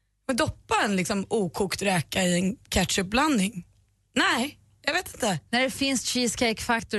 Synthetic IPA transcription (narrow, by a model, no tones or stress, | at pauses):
mɛnd̪ɔpːaɛnlɪksɔmʔuːkʰuːkt̪ɾɛːkaɪɛnkʰæʈ̪ʂɵp̚bland̪nɪŋ | nɛɪ | jɑveːt̪ɪnt̪ənæɖɛfɪnst̪ʃiːskʰɛɪkfakt̪ʊ